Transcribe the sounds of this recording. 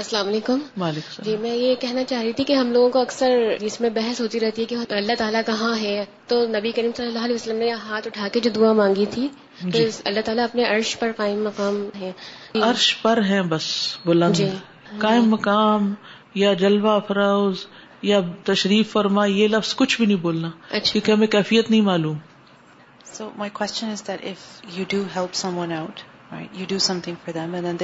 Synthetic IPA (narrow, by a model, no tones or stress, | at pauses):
ɐsɐlaːmɐleːkʊmʋaːleːksd͡ʒiːmɛ̃ːjekɛɦnat͡ʃaːɦɾit̪ʰikeɦɐmloːɡõkoɐksəɾd͡ʒɪsmẽbɛɦɛsɦoːt̪iɾɛɦt̪iɦɛkeɐlːat̪aːlakɐɦãɦɛt̪oːnɐbikɐɾiːmsɐlɐlːaɦːleiːʋəsəlːəmneɦaːt̪ʊʈʰaːked͡ʒod̪uamãːŋɡit̪ʰiː | t̪osɐ̰lːaɦt̪aːlaɐpneʔɐɾʃpɐɾqaːɪmːɐqaːmɦɛ̃ː | ɐɾʃpɐɾɦɛ̃bɐsbʊlə̃nnd͡ʒ̪i | kaːɪmːɐkaːm | jad͡ʒɐlʋafʰɐɾaːʊz | jat̪ɐʃɾiːfːɐɾmajelɐfz̥kʊt͡ʃʰbʱinɐɦĩboːlnaːɐːʃakjõːkeɦɐmẽkɛːfijːət̪nɐĩmaːluːm | soʊmaɪkʰwɛst͡ʃə̃nɪzðɨɾɪfjuduɦɛlˠpsʌ̃mwʌ̃naʊt | ɹa̰ɪtjɨdɨsʌ̃mθɪ̃ŋfɔ˞ðɛ̃mɛ̃nðɛ̃nð